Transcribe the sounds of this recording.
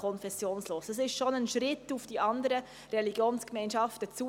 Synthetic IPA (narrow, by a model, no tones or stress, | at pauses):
ɔnfɛsjoːnsloːsəs̬ɪʃtʃonənʃɾɪtufd̥iʔɑndəɾə | rɛliɡjoːnskmɛɪnʃɑftət͡su